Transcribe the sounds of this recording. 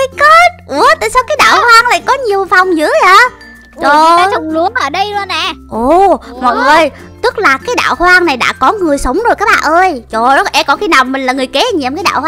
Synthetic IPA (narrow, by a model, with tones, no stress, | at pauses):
ke˦˥t̚ʔu˧˦ət̪a̰ː˧˨jsaː˧wkaː˨˦jɗa̰ː˧˨whwaː˧ŋla̰ː˨˩jkɔ˨˦ɲi˨˩əwfa˨˩wŋ͡mzɨ̰˧˥əaː˧˩ | t͡ɕo˩˨˩t͡ɕɔ˨˧˦wŋ͡mlu˨˦əŋʔəː˧˩ɗə˧jɗɔ˧nɛː˧˩ʔo˨˩mɔ̰˧˨˩və˧˩j | t̪ɨ˦˥k̚laː˨˩kaː˨˦jɗa̰ː˧˨whwaː˧ŋna˨˩jɗa̰ː˧˥kɔ˨˦ŋɨ˨˩əjsə˨˦wŋ͡mzo˨˩jkaː˦˥k̚ɓa̰ː˧˨ʔəː˧jt͡ɕo˨˩ɔ˨˦ʔɛ˧kɔ˨˦xi˧naː˨˩wmï˨˩ŋ̟laː˨˩ŋɨ˨˩jkɛ˨˦˧ɲɛ˨˩mkaː˨˦jɗa̰ː˧˨whwa˧